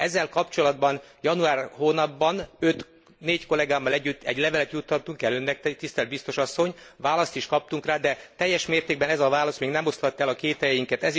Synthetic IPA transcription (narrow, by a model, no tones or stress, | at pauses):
ɛzːɛlkɒpt͡ʃo̞lɒd̪bɒn | jɒnuaːrhoːnɒbːɒnø̞t̪ | neːcko̞lɛɡaːmːɒlɛɟːyt̪ːɛ̰ɟlɛvɛlɛt̪jut̪ːɒt̪ːuŋkɛlønːɛk̚t̪t̪ist̪ɛlt̪bist̪o̞ʃɒsːo̞ɲʋaːlɒst̪iʃkɒp̚t̪uŋkraːd̪ɛt̪ɛjːɛʃmeːrt̪eːɡ̚bɛnɛzɒvaːlɒst̪meːɡnɛmo̞sɒt̪ːɛlɒkeːt̪hɛjɛjiŋkɛt̪ɛz